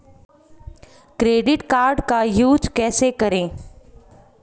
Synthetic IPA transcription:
kɾeːɖɪʈkaːɾɖkajuːd͡ʒkɛːsekɐɾẽː

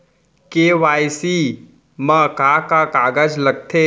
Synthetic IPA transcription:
keʋajsi | makakakaɡad͡ʒlək̚t̪ʰe

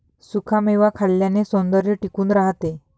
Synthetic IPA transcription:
sukʰameʋakʰaɭːjanesond̪əɾjəʈikuːnɾaɦt̪e

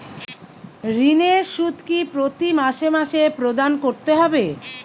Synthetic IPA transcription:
ɾineʃut̪kipɾot̪imaʃemaʃepɾod̪ankoɾt̪eɦɔbe

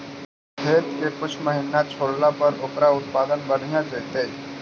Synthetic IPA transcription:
ɡʱeːt̪kekʊt͡ʃʰməɦɪnat͡ʃʰoːɽlapɐɾʊkɾaʊt̪̚paːd̪ənbən̤ijãd͡ʒeːt̪e

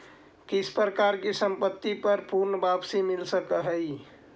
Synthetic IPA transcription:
kispɾəkaɾkesəmpət̪ːipəɾpuɾnəbabsimilsəkəɦəj

